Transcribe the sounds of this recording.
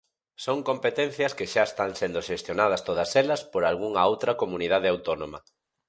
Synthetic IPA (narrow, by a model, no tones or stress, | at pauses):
soŋkompet̪ẽn̟θjɐskɪʃaest̪aŋsend̪oʊʃest̪jonað̞ɐst̪oðɐselɐspoɾalɣuŋɐowt̪ɾɐkomunið̞að̞eawt̪onõmɐ̰